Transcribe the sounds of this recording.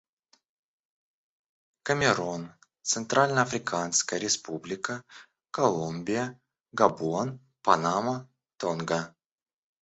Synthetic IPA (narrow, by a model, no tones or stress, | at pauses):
kəmʲɪɾon | t̪sɨnt̪ɾalʲnəɐfɾʲɪkʰanskəjəɾʲɪspublʲɪkə | kɐlˠumʲbʲɪjə | ɡɐbuon | pɐnamə | t̪onɡə